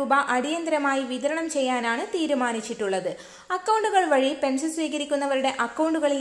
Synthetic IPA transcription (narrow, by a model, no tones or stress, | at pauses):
uːbɐʔɐɽijɐnd̪ɾɐmaːjiʋid̪ɐɾɐɳɐmt͡ɕe̞jːaːnaːɳɨt̪iːɾumaːnit͡ɕːiʈːuɭːɐðɨ | ɐkːɐwɳɖuɣɐɭʋɐɻipe̞nsɐnsʋiːɣɐɾikʲːunːɐʋɐɾuɽe̞ʔɐkːɐwɳɖuɣɐɭil